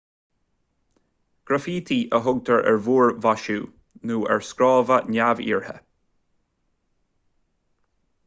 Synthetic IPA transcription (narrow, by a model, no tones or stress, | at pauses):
ɡ̥ɾafiːt̪ʰiʔəɦʊɡ̚t̪ʰəɹʔɛ̰ɹvuːɹvaʃuː | nuːɛ̰ɹskɾɔːvənʲavḭːɹhə̰